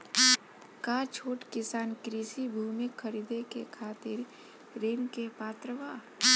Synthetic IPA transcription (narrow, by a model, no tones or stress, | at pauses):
kaːt͡ʃʰoːʈkɪsaːnkɾisibʱuːmɪkʰːəɾiːd̪ekekʰaːt̪ɪɾː | iːmkepaːt̪ɾəʋaː